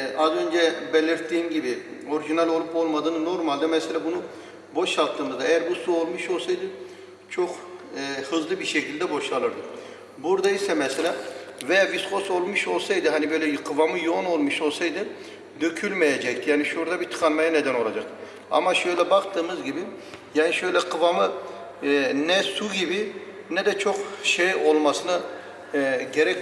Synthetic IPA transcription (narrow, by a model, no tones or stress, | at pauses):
ʔazø̞nd͡ʒɛbelʲiɾt̪ʰːiːmɟibio̞ɾiʒinalʲo̞lˠupo̞lˠmad̪ɯːnɯno̞ɾmalʲd̪amɛselʲabunu | bo̞ʃalˠt̪ʰːɯːnd̪ad̪ɛjæɾbusuo̞lˠmɯʃo̞lˠsajd̪ɯ | t͡ʃʰo̞kː | hɯzlˠɯbiɾʃecʰilʲd̪ɛbo̞ʃalˠɯɾd̪ɯk | buɾd̪aisɛmɛselʲavɛjaviskʰo̞so̞lˠmɯʃo̞lˠsajd̪ɯɦanibø̞jlʲɛqʰɯvamɯjono̞lˠmɯʃo̞lˠsajd̪ɯ | d̪øcʰylʲmejed͡ʒɛc̚t̪ʰijaːniʃɾd̪abit̪ʰɯ̥kʰanmajaned̪æno̞lˠad͡ʒak | a̰maʃøjlʲɛbakt̪ʰɯːmɯzɟibijaːniʃø̞jlʲɛqʰɯvamɯ | nɛsuɟibi | nɛd̪ɛt͡ʃʰokʃejo̞lˠmasɯna | ɟeɾɛc